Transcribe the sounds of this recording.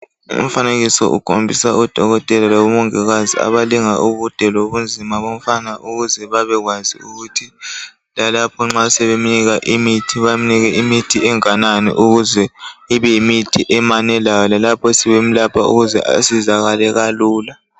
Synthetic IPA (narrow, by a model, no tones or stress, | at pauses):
ṵm̩faneɣisɔ̰ʔṵkʰombʱisaud̥ʱɔɣɔtʼɛlalaβumɔŋɛɣazia̰βaliŋaʔuβud̥ʱɛloβund͡zʱimaβom̩fanaʔuɣuzɛβaβɛɣwazḭuɣutʰi | lalapʰɔŋ͡ǁasɛβeminiɣaʔimitʰiβaminiɣɛʔimitʰiɛŋananḭʔuɣuzɛiβɛimitʰiʔɛmanɛlajɔlalapʰɔsiβem̩lapʰaṵɣuzɛ̰ʔa̰sizaɣalɛɣaluːla